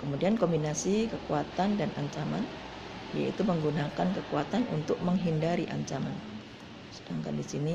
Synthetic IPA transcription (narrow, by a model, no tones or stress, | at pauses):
kəmudiankombinasikəkuat̪andanʔaɲt͡ʃama̰n | ja̰ḭt̪uməŋɡunakankəkuat̪anṵnt̪ʊk̚məŋɦindaɾiʔa̰ɲt͡ʃama̰n | sədaŋka̰ndisini